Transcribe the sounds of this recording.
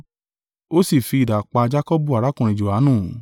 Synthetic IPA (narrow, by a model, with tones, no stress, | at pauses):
o˦si˦˨fi˧i˨da˨k͡pa˧d͡ʒa˦kɔ˦bu˦˨a˨ɾa˨˦kũ˨ɾ̃ĩ˧˨d͡ʒo˨a˨˦nũː˦˨˦